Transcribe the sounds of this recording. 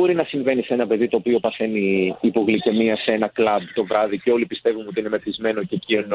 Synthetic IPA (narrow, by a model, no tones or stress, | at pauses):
o̞ɾinɐsiɱve̞nisee̞nɐpe̞ðit̪o̞ːpio̞pɐθe̞niːpo̞ɣlice̞miɐseenɐklɐb̚t̪o̞vɾɐðice̞o̞lipist̪e̞vuno̞t̪iinemeθizme̞no̞ce̞ciono